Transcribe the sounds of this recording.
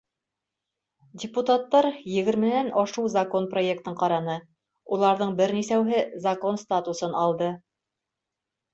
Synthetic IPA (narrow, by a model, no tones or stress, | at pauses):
dʲɪput̪at̪ːɑɾjɘ̆ɡɘ̆ɾmɘ̆nænʔɑʃuwzɐko̞npro̞jek̚t̪ɤɴqɑɾɑnɤ | ulˠɑɾðɤɴbɘɾnisæwɦɘzɐko̞nst̪at̪usɤnɑlˠd̪ɤ